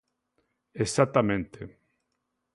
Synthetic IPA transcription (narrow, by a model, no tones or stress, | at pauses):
esat̪amẽnt̪e